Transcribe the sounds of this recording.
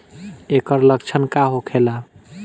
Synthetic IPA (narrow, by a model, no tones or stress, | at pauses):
ekəɾləkt͡ʃʰənkaɦokʰela